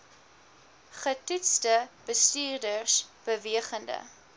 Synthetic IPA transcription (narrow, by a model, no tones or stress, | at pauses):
χətutstəb̥əstyːrdərsb̥əviəχəndə̰